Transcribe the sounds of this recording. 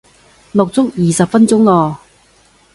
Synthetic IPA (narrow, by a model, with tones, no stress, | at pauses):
lʊ˨k̚t͡sʊ˥kjiː˨sɐ˨p̚fɐ˥nt͡sʊ˥ŋlɔː˧˩